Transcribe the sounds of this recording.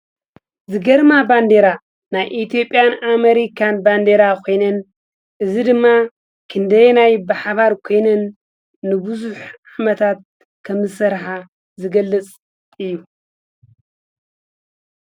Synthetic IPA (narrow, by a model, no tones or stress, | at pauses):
zɨɡɐɾmaband̪eɾa | najʔit̪ʰjo̞pʼːjanameɾikʰanband̪eɾakʰo̞jnɐn | ʔɨzid̪ɨmːa | kʰɨnd̪ɐjnajbaħaβaɾkʰo̞jnɐnː | ɨbɨzuħʕamɐt̪ʰat̪̚ | kʰɐmzɨsɐɾħa | zɨɡɐlːɨt͡sʼ | ɨjːu